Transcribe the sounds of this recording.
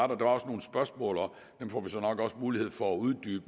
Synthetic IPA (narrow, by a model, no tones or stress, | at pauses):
ɑdɐd̥eʋɑ̈ɒ̽sno̝ːn̩sb̥ɶɐsmɔ̰̽ːlɒ | d̥emfɒʋisɒ̽nɒ̽ɡ̥ɒ̽smuːlihe̝ð̞̰ˠfɒæuð̞ˠd̥y̰ːb̥ə